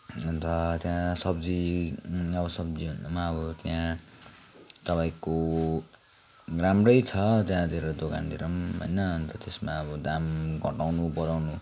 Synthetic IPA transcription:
ʌnt̪ʌt̪jãsʌbd͡zi | ʌbʌsʌbd͡zibʌndamaːβʌt̪jã | t̪ʌpaĩko | ramrʌjt͡sʰʌt̪jãd̪ʱeɾʌd̪oka̰nd̪iɾʌmɦo̰jnʌnt̪ʌt̪esmaʌbʌd̪amɡʱʌ̰ʈawnubʌɾawnu

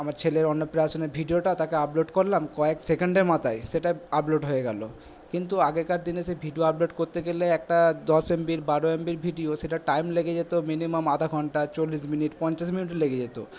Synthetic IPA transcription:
amaɾt͡ɕʰeleɾɔnːopɾaasoneɾbʱiɖioʈat̪akeaploʈkoɾlamkɔeksekeɳɖeɾmat̪ʰajʃeʈaaploʈɦoeɡɛ̰lo̰ | kint̪uaɡekaɾd̪inesebʱiɖioaploʈkoɾt̪eɡeleɛk̚ʈad̪ɔsembiɾbaɾoembiɾbʱiɖioʃeʈaʈajmleɡed͡ʑet̪ominimamad̪ʱaɡʱɔɳʈat͡ɕolːiʃ̬miniʈpɔɲt͡ɕaʃ̬miniʈeleɡed͡ʑet̪o̰

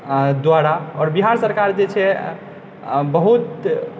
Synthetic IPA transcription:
d̪waɽaɔːɾbiɦaɾsəɾkaɾd͡ʒet͡ʃʰɛ | bəɦut̪

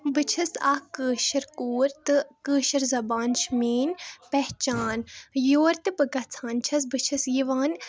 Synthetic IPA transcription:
bɨt͡ʃʰɐsaːkəːʃɐɾkuːɾt̪ɨkəːʃɐɾzɐbaːnʃmeːnpɛht͡ʃaːnjoːɾt̪ɨbɨɡɐt͡sʰaːnt͡ʃʰɐs̬bɨt͡ʃʰɐsjiʋaːn

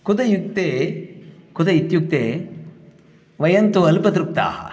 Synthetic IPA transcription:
kud̪ɐjuk̚t̪eː | kʊd̪ɐit̪juk̚t̪eː | ʋɐjɐnt̪uɐlpɐt̪ɾuk̚t̪a̰ː

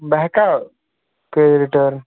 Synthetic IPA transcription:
bɛɦka | kɾeːd͡ʒɾiʈəɾn

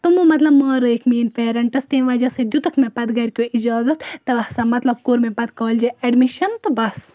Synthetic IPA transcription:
t̪umumɐt̪lɐbmɐːɾɐekʰmeːnpeːɾɐɳʈɐst̪eːnʋɐːd͡ʒɐsɐd̪jut̪ɐkʰmẽpɐt̪ɡɐɾkjoʔid͡ʒaːzɐt̪ʰt̪ɐɐhsɐmɐt̪lɐb̚koːɾmẽpɐt̪kɐːld͡ʒeeɖmiʃɐnt̪ɨbɐs

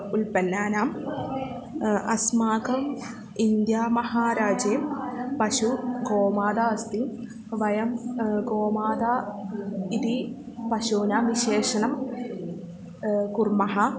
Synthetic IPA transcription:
ulpɐnːaːnaːm | ɐ̰smaːkɐm | ind̪jaːmɐhaːɾaːd͡ʒeːmpɐʃuɡoːmaːd̪aːɐst̪i | ʋɐjɐmɡoːmaːd̪aː | it̪i | pɐʃuːnaːmʋiʃeːʂɐnɐm | kurmɐɦɐ

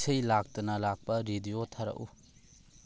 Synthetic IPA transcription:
sɐjlak̚tɐnɐlak̚pɐɾidiotʰɐɾɐ̰ʔṵ

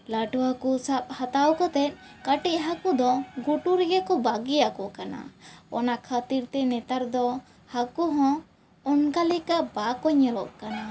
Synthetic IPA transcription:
laʈɔwakusap̚hat̪awkɔt̪ɛt̪̚ˀ | kaʈiʔ̚ɦakud̪ɔɡuʈuɾɛɡɛkɔbaɡijaʔkɔkana̰ɔ̰nakʰat̪iɾt̪ɛnɛt̪aɾd̪ɔ | hakuɦɔ̃ | ɔnkalikabakɔɲɛɾɔʔkana

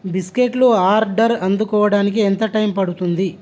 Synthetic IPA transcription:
biskeʈluaːɾɖɐɾɐnd̪ukɔːʋɐɽaːnik̬iɛnt̪ɐʈɐjmpɐɽut̪und̪i

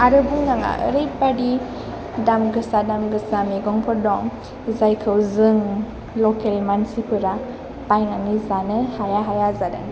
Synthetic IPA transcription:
ʔaɾəbuŋɡaŋa̰ʔə̰ɾəjbadi | damɡəsadamɡəsameɡɔŋpʰɔdɔŋ | zajkʰəwzəŋ | lokɛlmansipəɾa | pajŋanizanəhajaɦajazada̰ŋ

